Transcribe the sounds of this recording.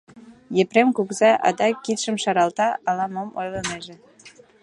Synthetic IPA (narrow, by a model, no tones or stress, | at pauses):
jepremkukzɑʔɑ̰d̪ɑkːit̪ʃə̆mʃɑɾɑlt̪ɑɑlɑmomojlɤneʒe